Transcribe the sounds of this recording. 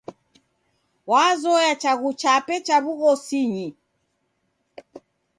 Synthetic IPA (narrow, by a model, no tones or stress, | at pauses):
wazɔjat͡ʃaɣut͡ʃapɛt͡ʃaβuɣɔsiɲi